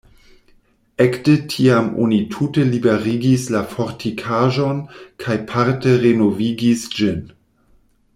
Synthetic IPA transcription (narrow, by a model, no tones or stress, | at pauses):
ektetʰiamʔo̰nitʰutelibeɾiɡislafoɾtʰikʰaʒo̞nkʰajpʰaɾteɾenoviɡisd͡ʒin